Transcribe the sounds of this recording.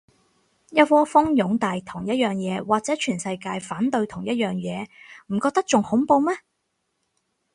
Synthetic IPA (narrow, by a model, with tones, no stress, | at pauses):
jɐ˥t̚fɔː˥fʊ˥ŋjʊ˨˥ŋt̪aː˨jt̪ʰʊ˨˩ŋjɐ˥t̚jœː˨˩ŋjɛː˨˧waː˨k̚t͡sɛː˨˥t͡ʃʰyː˨˩nsɐ˧jkaː˧jfaː˨˥nt̪ɵ˧ɥt̪ʰʊ˨˩ŋjɐ˥t̚jœː˨ŋjɛː˨˧m̩˨˩kɔː˧k̚t̪ɐ˥k̚t͡sʊ˨ŋhʊ˨˥ŋpo˧wmɛ˥